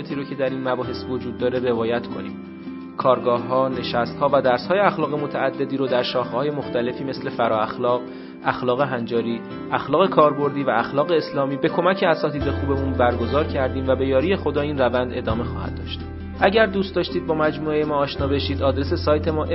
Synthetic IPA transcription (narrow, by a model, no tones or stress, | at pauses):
t̪ʰiːɾocʰe̞d̪æɾiːnmæbɒːɦe̞svo̞d͡ʒuːd̪ːɒːɾe̞re̞vɒːjæt̪kʰo̞̰nḭːm | kʰɒːɾɡɒːhːɒːne̞ʃæst̪hɒːvæd̪æɾshɒːjeæxlɒːɣe̞mo̞t̪ʰæːd̪ːe̞d̪iːɾod̪æɾʃɒːxehɒːje̞moxt̪æle̞fiːme̞sle̞fæɾɒːæxlɒːɣ | æxlɒːɣe̞ɦænd͡ʒɒːɾiː | ʔæxlɒːɣe̞kʰɒːɾbo̞ɾd̪iːvææxlɒːɣe̞ːslɒːmiːbe̞kʰo̞mæcʰeæsɒːt̪ʰiːd̪e̞xuːbe̞munbæɾɡo̞zɒːɾcʰæɾd̪iːmvæbe̞jɒːɾiːje̞xo̞d̪ɒːiːnrævænd̪e̞d̪ɒːme̞xɒ̰ːhæ̰d̪̥̚ːɒ̰ːʃt̪ | ʔæɟæɾd̪uːst̪d̪ɒːʃt̪iːd̪̚bɒːmæd͡ʒmuːejemɒːʃnɒːbe̞ʃiːd̪ɒːd̪ɾese̞sɒːjt̪ʰe̞mɒː